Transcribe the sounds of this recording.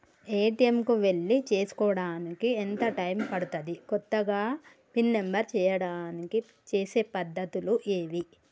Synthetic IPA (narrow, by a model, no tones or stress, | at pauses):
e̞ːʈijemkuʋe̞ɭːit͡ʃe̞ːsu̥kɔːɐɽaːnikient̪ɐʈɐjmpɐɽut̪ɐd̪ikɔt̪ːɐɡaː | pinːe̞mbɐɾt͡ʃɛːjɐɽaːniki | t͡ʃe̞ːse̞ːpɐd̪ʱːɐt̪uluʔeːʋi